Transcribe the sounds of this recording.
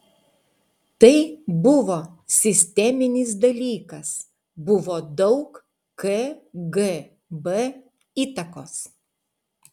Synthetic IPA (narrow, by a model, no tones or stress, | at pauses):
t̪ɐɪbʊʋoːsʲɪsʲt̪ʲɛmʲɪnʲɪs̬d̪ɐlʲiːkɐs | bʊʋoːd̪ɒʊk | keɡe | bɛ | iːt̪ɐkoːs